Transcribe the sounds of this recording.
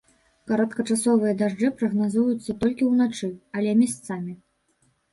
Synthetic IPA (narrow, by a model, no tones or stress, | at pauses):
kɐɾɐt̪kɐt͡ʂasɔvɨjɐd̪aʐd͡ʐɨpɾɐɣnazujut̪sːɐt̪ɔlʲkʲiwnat͡ʂɨɐlʲɛmʲɛst̪samʲi